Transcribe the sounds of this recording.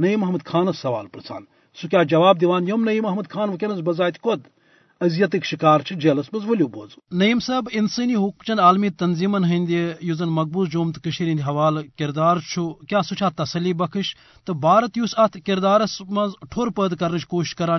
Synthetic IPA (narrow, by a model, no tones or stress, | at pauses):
nɐimɐɦmɐd̪̚kʰaːnɐsːɐʋa̰ːlpɾɐt͡sʰa̰ːn | sukʲaːd͡ʒɐʋaːb̚d̪iʋaːnjomnɐjimɐɦmɐd̪̚kʰaːnʋɐkʲenɐzbɐzaːt̪ʲikod̪ | ɐzjɐt̪ɨkʃikaːɾt͡ʃʰid͡ʒeːlɐsmɐzʋɐlʲuːboːznɐjimsɐːbinsɨniːɦukmt͡ʃʰɐnaːlmiːt̪ɐnziːmɐnɦɐnʲd̪ijuzɐnmɐɡ̚buːsd͡ʒoːmt̪ɨkɨʃiɾind̪iɦɐʋaːlkiɾd̪aːɾt͡ʃʰukʲjaːsut͡ʃʰaːt̪ɐsɐliːbɐkʰɨʃ | t̪ɨbaːɾɐt̪jusɐt̪ʰkiɾd̪aːɾɐsmɐzʈʰoːɾpəːd̪kɐɾnɨt͡ʃʰkoːʃi̥ʃkɐɾaː